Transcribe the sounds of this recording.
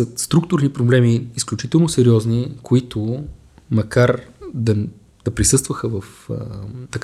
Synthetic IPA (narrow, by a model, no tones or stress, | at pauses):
əst̪ɾuk̚t̪ʊɾnipɾoblɛmiːsklʲut͡ʃit̪ɛlˠnosɛɾiɔznikʰoit̪ʰo | mɐkaɾd̪ɐ | d̪̥ɐpɾisɤst̪vəxəvəf | t̪ɐk